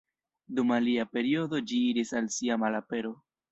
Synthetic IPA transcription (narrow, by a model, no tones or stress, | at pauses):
dumaliape̞ɾio̞do̞d͡ʒiiɾisalsiamalape̞ɾo̞